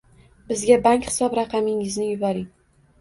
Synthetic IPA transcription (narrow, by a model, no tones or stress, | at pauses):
bɪzɡʲabaŋkʲχɪ̥sɒbɾɑqʰɑmɪŋɪznɪjʊbɒɾɪŋ